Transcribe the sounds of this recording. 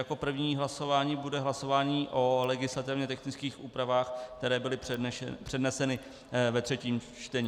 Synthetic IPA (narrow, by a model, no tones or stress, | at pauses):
jako̞pr̩vɲiːɦlaso̞vaːɲiːbudɛɦlaso̞vaːɲiːʔo̞lɛɡɪslat̪ɪvɲɛt̪ɛxnɪt͡skiːxʔuːpɾavaːxk̚t̪ɛɾɛːbɪlɪ̰pr̝̥ɛdnɛsɛnɪ | vɛt̪r̝̥ɛciːmt͡ʃt̪ɛɲiː